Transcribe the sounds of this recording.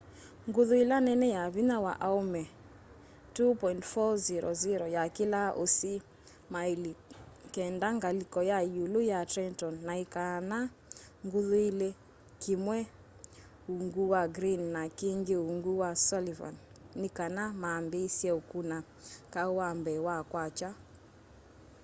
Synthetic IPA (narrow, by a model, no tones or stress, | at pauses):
ŋɡuðuilanɛnɛjaβinawa̰ʔaumɛ | tupɔintfɔziɾɔ̰ziɾɔjakilaʔosi | mailikɛndaŋɡalikɔjajulujatɾɛntɔnːaikana | ŋɡuðuile | kimwɛ | uŋɡuwaɡɾinːakiŋɡeuŋɡuwasɔliva̰nː | ikanamaːmbesiɛukuna | kauwambɛwakwat͡ʃa